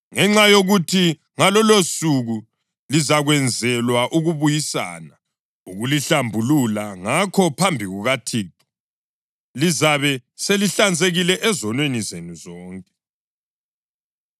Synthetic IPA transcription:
ŋɛŋ͡ǁajoɣutʰi | ŋalɔlosuɣu | lizaɣwɛnd͡zʱɛlwaʔuɣuβujisa̰ːna | uɣuliɬambʱululaŋakʰɔpʰambʱiɣuɣatʰiːt̚ʰʼɔ̥ | lizaβɛseliɬand͡zʱeɣilɛʔɛzɔnwenizenuzɔːŋkʼɛ̥

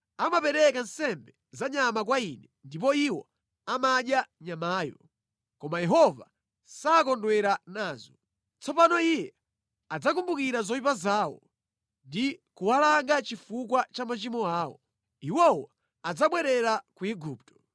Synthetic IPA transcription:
amapɛɾɛkan̩sɛmbɛ | zaɲamak̬wainɛndip̬ɔiwɔ | amaɗjaɲamaːjɔ̰ | kɔmajɛɦɔva̰ | saːkɔndwɛɾanaːzɔ | t͡sɔpanɔijɛ | ad͡zakumbukiɾazɔwip̬azaːwɔ̰ | ndikuwalaŋɡat͡ʃifukwat͡ʃamat͡ʃimɔaːwɔ̰ | iwɔwɔ | ad͡zaɓwɛɾɛɾakuɛɡuptɔ̥

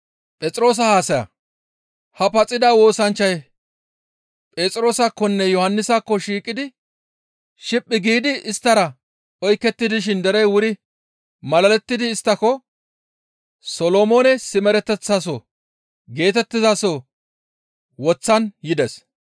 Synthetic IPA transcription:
pʼɛt͡sʼɾo̞ːs̬ɐhaːsɐjɐ̰ | hɐpɐt͡sʼːɪd̪aːwo̞ːsɐnt͡ʃːɐj | pʼeːt͡sʼɾo̞ːsɐkːɔnːɛjɔhɐnːɪsakːɔʃiːkʼɪd̪ɪ | ʃɪpʼːɪɡiːd̪ɪɪst̪ːɐɾɐ | ɔjkːɛt̪ːɪd̪ɪʃ̬ɪnd̪ɛɾɛjwʊɾɪ | mɐlɐlɛt̪ːɪd̪ɪːst̪ːɐkːɔ | sɔloːmoːnɛsɪmɛɾɛt̪ːɛt͡sːasɔ | ɡe̞ːt̪ɛt̪ːɪzasɔ | wɔt͡sːɐnjɪd̪ɛs

